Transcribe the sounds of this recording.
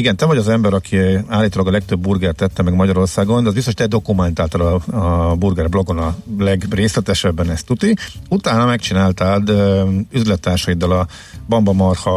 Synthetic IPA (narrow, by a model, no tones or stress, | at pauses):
iɡɛnt̪ɛvɒɟɒzɛmbɛɾɒkʰiaːlːit̪oːlɒɡɒlɛk̚t̪ø̞bːurɡɛrt̪ːɛt̪ːɛmɛɡmɒɟɒɾo̞rsaːɡo̞nd̪ɛɒzbist̪oʃt̪ɛd̪o̞kumɛnt̪aːlt̪ɔlɒburɡɛrblo̞ɡo̞nɒlɛɡreːslɛt̪ɛʃɛbːɛnɛst̪ut̪iut̪aːnɒmɛkt͡ʃinaːlt̪aːd̪øyzlɛt̪ːaːrʃɒjid̪ːɒlɒ | bɒmbɒmɒrhɒ